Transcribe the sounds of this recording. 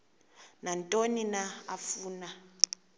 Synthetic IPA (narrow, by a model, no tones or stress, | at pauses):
nantʼoninaafuːna